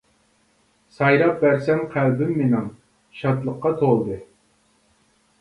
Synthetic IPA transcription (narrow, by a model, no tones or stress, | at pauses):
sɑjɾɑp̚bæɾsɛnqʰælbɪmːenɪŋ | ʃɑt̪lˠəqːɑt̪ʰolˠd̪ɨ